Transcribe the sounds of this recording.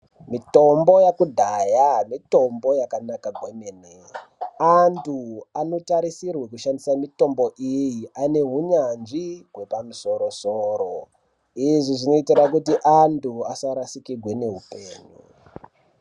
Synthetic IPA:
mito̞mbo̞jakudʱajamito̞mbo̞jakanakaɡʱwemene | antʰuano̞taɾisirwek̬uʃandisamito̞mbo̞ʔijiʔane̞ɦuɲanʐiɦwe̞pamiso̞ɾo̞soːɾo | iʐiʐino̞itiɾak̬utiʔantʰuasaɾasikiɡʱwe̞ne̞ɦupeːɲu

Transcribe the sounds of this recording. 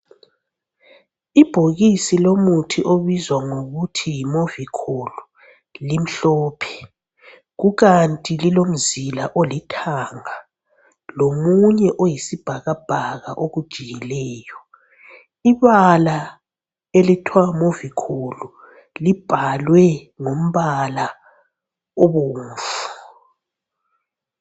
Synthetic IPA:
ib̥ʱoɣisilomutʰiʔoβizwaŋoɣutʰijimovikʰolu | lim̩ɬɔːpʰɛ̥ | ɣuɣantʼililom̩zila̰ʔolitʰaːŋa | lomuɲɛʔojisib̥ʱaɣab̥ʱaɣa̰ʔoɣud̥ʒ̥ʱijilɛːjɔ | iβala | elitʰwamovikʰolu | lib̥ʱalwɛ | ŋom̩βala | oβuːmfu̥

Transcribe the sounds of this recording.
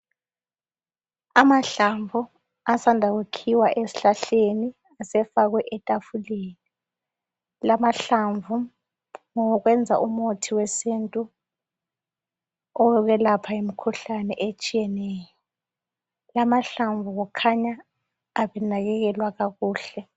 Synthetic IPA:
amaɬaɱvu | asandʱaɣukʰiwaʔesi̥ɬaɬeni | asɛfaɣ̬wɛʔɛtʼafuleːni | lamaɬaɱvʱu | ŋɔwɔɣwɛnd͡zʱa̰ʔumotʰiwɛsentʼu | ɔwɛɣɛlapʰaemikʰuɬanɛʔet͡ʃʼijɛnɛːjɔ | lamaɬaɱvuɣɔkʰaɲaː | βɛnaɣɛɣɛlwaɣaɣuːɬɛ

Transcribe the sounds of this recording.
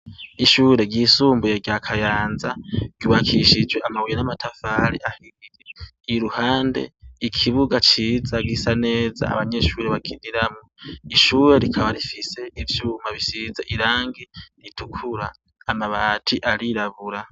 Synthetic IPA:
iʃuːɾe̞ɡɟiːsuːmbujeɟakʰajaːnzaɡ̥uβakʰiʃid͡ʒweʔamawijenamatʰafaɾḭahiɡiɾi | ɾuhaːnde̞̰ikʰiβuɡat͡ʃizaɡisane̞ːza̰a̰βaɲe̞ʃuɾeβakʰiniɾamoiʃuːɾe̞ɾikʰaβaɾifise̞ivjuːmaβisizeʔiɾaːŋɡiɾitʰukʰuɾa̰ː | maβaːtʰiʔaɾiɾaβuɾa

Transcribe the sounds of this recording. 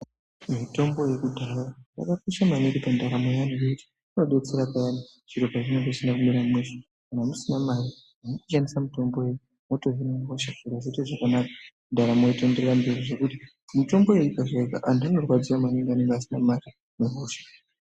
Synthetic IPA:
mito̞mbo̞je̞kudʱaɾaja̰kakuʃamaniɾipandaɾamojanijeuti̥ | unoɗet͡seɾakajana | t͡ʃiɾopat͡ʃinebosinakuɓeɾamweʃi̥ | kanamusinamari | amukut͡ʃanisamito̞mbo̞jejo | mo̞toɦinoɦoʃaʐiɾazeteʐakanakḁ | udʱaɾamojetendeɾambiɾiʐe̞kuti | mito̞mbo̞ejikaʐaikaʔanduanorwad͡ziwamaniŋɡaane̞ŋɡaːsinamati | meɦoʃḁ

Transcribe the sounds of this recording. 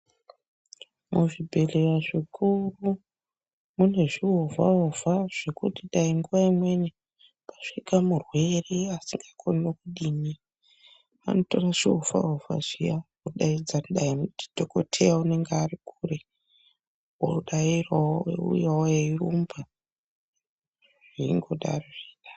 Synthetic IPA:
muʐibʱe̞leraʐikuru | mune̞ʐiɦova̰ovaʐ̥e̞kutiɗaiŋɡuʋaimwe̞ne | pḁʂikamurwe̞reasiŋɡakʰoniokuɗiːni | a̰no̞to̞raʐiova̰ɦova̰ʐḭja | oɗaid͡zanɗaimuti̥tokotʰejaune̞ŋɡarikʰuːre̞ | ouɗairwaoeṵjaojeirumba | ʐ̥iiŋɡoɗa̰roʐiːɗa

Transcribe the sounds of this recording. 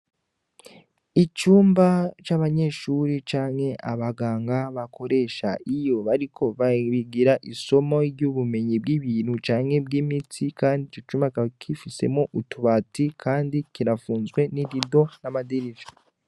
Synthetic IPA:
it͡ʃuːmbat͡ʃaβaɲe̞ʃuɾit͡ʃaːŋhe̞ʔa̰βaɡaːŋɡaβakʰo̞ɾe̞ʃa̰ijo̞βaɾikʰo̞βaβiɡiɾaʔiso̞mo̞ɾɟuβume̞ɲib̚ɡiβiːn̥hut͡ʃaːŋhe̞b̚ɡiːmitikaːndit͡ʃit͡ʃuːmbakakʰifise̞̰mo̞ʔutuβaːtikʰaːndikiɾafuːnzɡwe̞niɾido̞namadiɾivo̥

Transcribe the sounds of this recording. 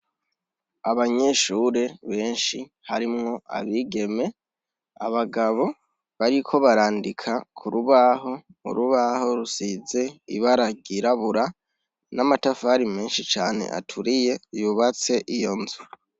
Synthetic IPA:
aβaɲe̞ʃuːɾe̞βe̞ːnʃi | haɾimŋo̞a̰βiːɡe̞me̞ | aβaɡaβo̞ | βaɾikʰo̞βaɾaːndikʰakʰuɾuβaɦo̞ṵɾuβaho̞ɾusize̞ḭβaɾaɡiɾaβuɾa | namatafaɾime̞ːnʃit͡ʃaːne̞̰ʔa̰tʰuɾije̞juːβat͡se̞ʔijo̞nze

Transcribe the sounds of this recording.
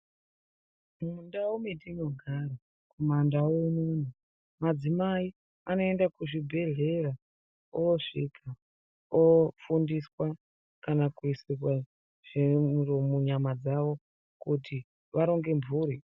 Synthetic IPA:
muundawomitiɲoŋɡʱaɾa | komandawoinunu | mad͡zimai | ano̞e̞ndakuʐibʱe̞ɮe̞ɾa | oʂikʰa | ofundiswa | kanakuisikwa | ʐ̥eromuɲamad͡zaʋo̞ | kutʰi | ʋaɾo̞ŋɡe̞ɱvuːɾi

